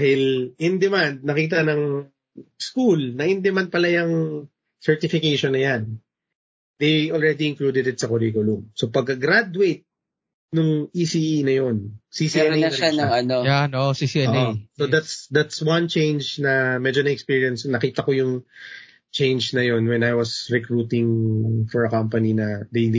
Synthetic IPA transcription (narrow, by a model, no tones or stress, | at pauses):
ahɪlʔɪnd̪ɛmand̪̚nɐkiːt̪̬ɐnɐŋ | skulnɐʔɪnd̪ɛmand̪̚pɐlajɐŋ | sɛɹt̪ɪfɪkejʃonːɐjan | d̪ejʔolɹɛd̪iɪŋklud̪ɛd̪ɪt̪sɐkʊɾiːkʊlʊmso̞pɐɡ̚kɐɡɾad̪wejt̪̚ | nʊŋʔisiʔinɐjo̞nsisiɛnejɐɐaɐɐnojanosisiɛoosod̪at̪sd̪at̪swɐnt͡ʃẽjnd͡ʒnɐmɛd͡ʒonɐɛkspiːɹjɛnsnɐkiːt̪ɐkojʊŋ | t͡ʃẽjnd͡ʒnɐjo̞nwɛ̃najwɐsɹɛkɹut̪ɪŋfɔɹɐkampɐninɐd̪ej